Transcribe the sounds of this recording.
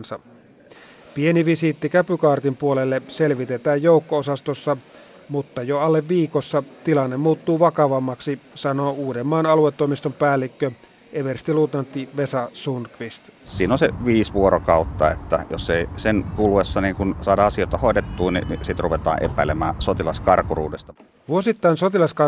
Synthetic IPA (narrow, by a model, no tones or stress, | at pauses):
nsɑ | pieniʋisit̪ːikæpykɑːrt̪impuolelːeselʋit̪et̪æːjjoukːoosɑst̪osːɑ | mut̪ːɑjoɑlːeʋʋiːkosːɑt̪ilɑnːemmuːt̪ːuːʋɑkɑʋɑmːɑksisɑnoːuːdemːɑːnɑluet̪ːoimist̪ompæːlːikːø | ʔeʋerst̪ilut̪ɑnt̪ːiʋesɑsunkʋist̪siːnonseʋiːsʋuorokɑut̪ːɑḛt̪ːæjoseisenkuluwesːɑniːŋkunsɑːdɑɑsioˑet̪ɑhoˑedet̪ːuːninisit̪ruʋet̪ɑ̰ːʔḛpæˑilemæːsot̪ilɑskɑrkurṵːdest̪ɑ | ʋuosit̪ːɑinsot̪ilɑskɑ